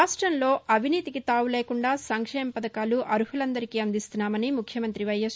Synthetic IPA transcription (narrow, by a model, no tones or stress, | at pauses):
aːʂʈɾɐnlo̞ːʔɐbʱiniːt̪ikit̪aːwule̞ːkuɳɖaːsɐŋkʂɛːmɐpɐd̪ɐkaːluʔɐɾuɦulɐnd̪ɐɾikiːɐnd̪ist̪unːaːmɐnimukʰjɐmɐnt̪ɾiʋɐjɐs